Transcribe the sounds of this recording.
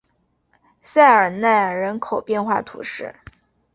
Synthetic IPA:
sa˥˩ɪə˞˨˩na˥˩ɪɻə˧˥nkʰo˨˩ʊpjɛ˥˧nxwa̰˥˩t̪ʰṵ˧˥ʂɻ̩˥˩

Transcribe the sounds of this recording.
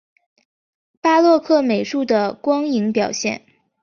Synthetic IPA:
pa˥lwɔ˥˧kʰɤ˥˩me˨˩ɪʂu˥˩d̪ə˩kwɑ˥ŋi˧˥ŋpjɑ˨˩ʊɕjɛ̰˥˩n

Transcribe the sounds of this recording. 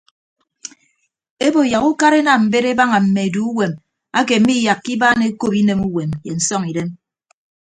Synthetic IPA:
e˦bo˨ja˨ɣu˦ka˦ɾe˦na˨m̩˨be˦ɾe˦ba˦ŋa˨m̩˨me˨e˨du˨˦u˦we˨m | a˦k̬e˨m̩˦mi˦ja˨kːi˦baː˦ne˦ko˦pi˦ne˨mu˦we˨mje˨n̩˨sɔ˦ŋi˨de˦m

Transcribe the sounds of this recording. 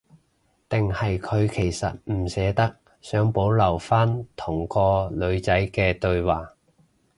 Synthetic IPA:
t̪ɪ˨ŋhɐ˨jkʰɵ˨˧ɥkʰe˨˩jsɐ̰˨t̚m̩˨˩sɛː˨˧t̪ɐ˥k̚ | sœː˨˥ŋpo˨˥wlɐ˨˩wfaː˥nt̪ʰʊ˨˩ŋkɔː˧lɵ˨˧ɥt͡sɐ˨˥jkɛː˧t̪ɵ˧ɥwaː˨˩

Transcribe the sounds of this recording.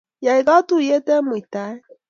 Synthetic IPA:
ja˨i˨ɡa˦tu˦˨je˦tɛ˦mu˨i˨ta˨˦e˦

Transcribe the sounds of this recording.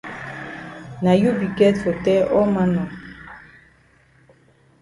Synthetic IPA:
na˨ju˦bi˨kɛ˦tfo˨tɛ˦ʔɔ˦ma˦nɔ˨

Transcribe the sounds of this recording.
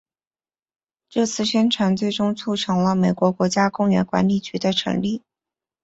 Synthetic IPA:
ʈ͡ʂɤ˥˧t͡sʰɹ̩˥˩ɕɥɛ˥nʈ͡ʂʰwa˧˥nt͡swe˥˩ɪʈ͡ʂʊ˥ŋt͡sʰu˥˩ʈ͡ʂʰɤ˧˥ŋlə˧me˨˩ɪkwɔ˧˥kwɔ˧˥t͡ɕja˥kʊ˥˩ŋɥɛ̰˧˥nkwa̰˧˥nli˨˥˩t͡ɕy˧˥d̪ə˧ʈ͡ʂʰɤ̰˧˥ŋli˥˩

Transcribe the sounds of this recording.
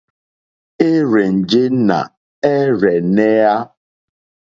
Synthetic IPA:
e˦ɾe˨n̩˨d͡ʒe˦na̰˨ | ɛ˦ɾɛ˨ne˦a˦

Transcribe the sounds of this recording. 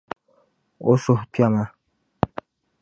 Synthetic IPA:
o˦so˨hpja˦˨ma˦

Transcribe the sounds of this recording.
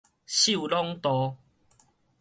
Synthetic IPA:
ɕu˥˨lɔ˦ŋt̪ɔ˨˧

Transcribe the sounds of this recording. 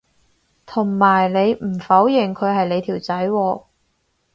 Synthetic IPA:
t̪ʰʊ˨˩ŋmaː˨˩jle˨˧jm̩˨˩fɐ˨˥wjɪ˨˩ŋkʰɵ˨˧ɥhɐ˨jle˨˧jt̪ʰiː˨˩wt͡sɐ˨˥jwɔː˧

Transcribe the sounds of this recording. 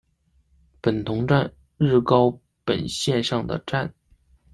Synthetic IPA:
pə˨˩nt̪ʰʊ˧˥ŋʈ͡ʂa˥˧n | ɻɻ̩˥˩kɑ˥ʊ | pə˨˩nɕjɛ˥˧nʂɑ˥˩ŋd̪ə̰˩ʈ͡ʂa˥˩n

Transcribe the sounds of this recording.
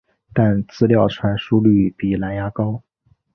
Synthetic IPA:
t̪a˥˧nt͡sɹ̩˥˧ljɑ˥˩ʊʈ͡ʂʰwa˧˥nʂu˥ly˥˩pi˨˩la˧˥nja˥kɑ˥ʊ

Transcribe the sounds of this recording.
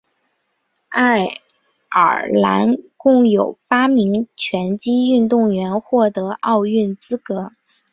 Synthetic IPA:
a˥˩ | ə̰˞˨˩la̰˧˥nkʊ˥˩ŋjo˨˩ʊpa˥mi˧˥ŋt͡ɕʰɥɛ˧˥nt͡ɕi˥y˥˧nt̪ʊ˥˩ŋɥɛ˧˥nxwɔ˥˩t̪ɤ˧˥ʔɑ˥˧ʊy˥˩nt͡sɹ̩˥kɤ˧˥

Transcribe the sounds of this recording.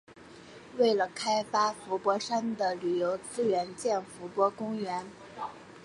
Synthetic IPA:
we˥˩ɪlə˩kʰa˥ɪfa˥fu˧˥pwɔ˧˥ʂa˥nd̪ə˨ly˨˩jo˧˥ʊt͡sɹ̩˥ɥɛ˧˥nt͡ɕjɛ˥˩nfu˧˥pwɔ˧˥kʊ˥ŋɥɛ˧˥n

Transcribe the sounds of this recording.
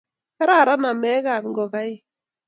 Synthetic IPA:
ka˦ɾa˦˨ɾa˦na˨mɛ˦ka˨ŋ̩˦ɡɔ˨ka˦i˦

